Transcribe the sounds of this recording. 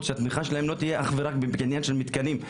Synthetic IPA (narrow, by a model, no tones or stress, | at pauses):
t̪ʃeat̪miχaʃelaɦemlo̞t̪ijeʔaχveʁakbebkinjanʃelmit̪kanim